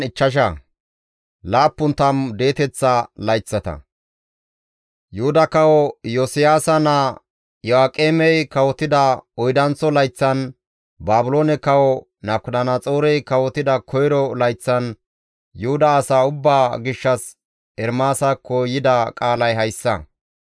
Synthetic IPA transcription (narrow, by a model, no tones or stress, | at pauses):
ɪt͡ʃːɐʃ̬ɐ | laːpːʊnt̪ɐmd̪e̞ːt̪ɛt͡sːɐlɐjt͡sːɐt̪ɐ̰ | jʊhʊd̪ɐkɐwɔjɔsɪjaːsɐnɐ | jɔaːkʼːeːmɛjkɐwɔt̪ɪd̪ɐɔjd̪ɐnt͡sɔlɐjt͡sːɐn | baːbʊloːnɛkɐwɔ | nɐkʊd̪ɐnat͡sʼoːɾɛjkɐwɔt̪ɪd̪ɐkʰɔjɾɔlɐjt͡sːɐn | jʊhʊd̪ɐːsaːʊbːaːɡɪʃːɐs | ɛɾmaːsɐkʰɔjɪd̪ɐkʼaːlɐjɦɐjsːɐ̰